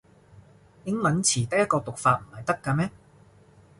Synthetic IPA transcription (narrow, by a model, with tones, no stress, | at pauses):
jɪ˨˥ŋlɐ˨˥nt͡sʰiː˨˩t̪ɐ˥k̚jɐ˥t̚kɔː˧t̪ʊ˨k̚faː˧t̚m̩˨˩hɐ˨jt̪ɐ˥kːaː˧mɛː˥